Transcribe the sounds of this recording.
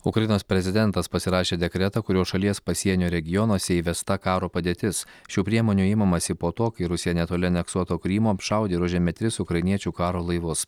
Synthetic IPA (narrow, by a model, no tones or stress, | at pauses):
ʊkɾɐjɪnoːspʲɾʲɛzʲɪd̪ʲɛnt̪ɐspɐsʲɪɾɑːʃʲeːd̪ʲɛkɾʲɛt̪ɐkʊɾʲoːʃɐlʲiɛspɐsʲiɛnʲoːɾʲɛɡʲɪjɔnoːsʲɛiːʋʲɛst̪ɐkɑːɾoːpɐd̪ʲeːt̪ʲɪsʃʲuːpʲɾʲiɛmoːnʲuːɪmɐmɐsʲɪpoːt̪oːkɐɪɾʊsʲɪjɛnʲɛt̪oːlʲɪɐnʲɛksuɔt̪oːkɾʲiːmoːɐpʃɑˑʊd̪ʲeːɾʊʒʲɛːmʲɛt̪ʲɾʲɪsʊkɾɐɪnʲiɛt͡ʃʲuːkɑːɾoːlˠɐɪʋʊs